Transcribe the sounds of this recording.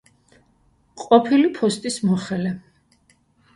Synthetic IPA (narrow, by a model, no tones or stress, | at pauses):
qʼɔpʰilipʰɔst̪ʼismɔχɛlɛ